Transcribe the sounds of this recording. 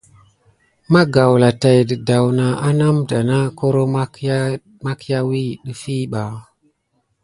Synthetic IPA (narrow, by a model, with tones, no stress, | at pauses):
ma˦ɡa˨wla˨ta˨jdə˨da˨wna˨a˦na˦mda˨na˦ko˦ɾo˦ | ma˦kja˦wi˦ɗi˦fi˦ɓa˨